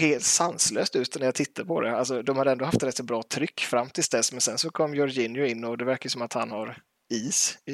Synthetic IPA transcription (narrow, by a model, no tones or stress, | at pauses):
heːlt̪sanslø̰ːst̪ʉ̟ːt̪næɾjat̪ʰɪt̪ʰːaɾpʰɔd̪ɛ̰alsɔd̪ɔmhad̪əɛnd̪ɔɦaft̪ɾɛt̪sɔbɾɑːt̪ʰɾʏkːfɾamːt̪ʰɪlsd̪ɛsmɛnsɛnsɔkʰɔmːjœɾjɪnjʊɪnːɔd̪ɛvæɾkajʉsɔmat̪ha̰nhaɾ | iːsɪ